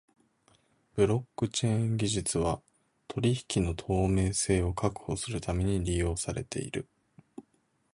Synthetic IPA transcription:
b̥ɯ̟ɾo̞kːɯ̟t͡ɕẽ̞ŋɡʲiʑɨt͡sɨβ̞a | t̪ʰo̞ɾʲiçi̥kʲino̞t̪ʰo̞ːme̞ːse̞ːo̞kʰakɯ̟̥ho̞sɨɾɯ̟t̪ame̞ɲ̟iɾʲijo̞ːsaɾe̞̰t̪ʰe̞̰ḭɾɯ̟

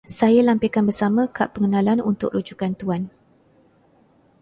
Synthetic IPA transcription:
sajalampikanbərsamãkaʔpəŋənãlanunt̪ʊ̰k̚ɾʔud͡ʒukant̪uan

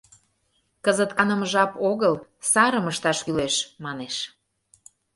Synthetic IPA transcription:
kəzət̪kɑnəməʒɑpoɣəlsɑɾəməʃt̪ɑʃkyleʃmɑneʃ

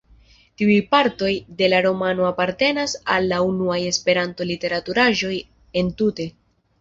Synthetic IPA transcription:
tiujpaɾto̞jde̞laɾo̞mano̞apaɾte̞nasalːaunuaje̞spe̞ɾanto̞lite̞ɾatuɾaʒo̞j | e̞ntute̞

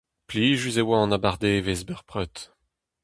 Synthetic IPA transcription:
pliːʒyzewaɑ̃nabaʁd̪evezbœʁpʁœt̪

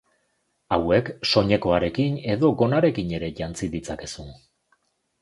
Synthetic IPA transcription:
awe̞kso̞ɲe̞ko̞aɾe̞kine̞ðo̞ɡo̞naɾe̞kiɲe̞ɾe̞ʝant͡siðit͡sake̞sun

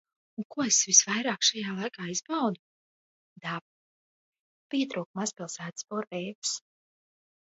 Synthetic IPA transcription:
uŋkuɔesvisvajɾaːkʃajaːlˠajkaːiz̥bawd̪u | d̪ap̚ | piɛt̪ɾuːkmaspʲilˠsæːt̪spɔɾɛjvs

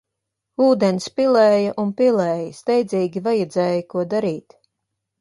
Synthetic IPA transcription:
uːd̪ɛnspilˠɛːjɐʔunpilˠɛːjɐst̪ɛjd̪zʲiːɡʲivajɛd̪zɛːjəkuɔd̪aɾiːt̪

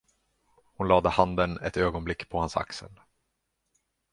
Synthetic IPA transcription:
hʊnlɑːd̪əhand̪ənɛt̪øːɡɔnblɪkːpʰɔhansa̰ksə̰l

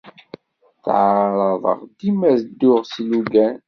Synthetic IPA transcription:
θʕɾˤɑðˤə̰ʁd̪imæzd̪ːʊʁsluɡæn

